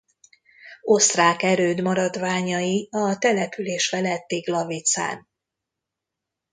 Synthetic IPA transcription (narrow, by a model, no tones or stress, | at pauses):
o̞st̪raːkɛɾøːd̪mɒɾɒd̪vaːɲɒjiɒt̪ɛlɛpyleːʃfɛlɛt̪ːeːɡlɒvit̪sa̰ːn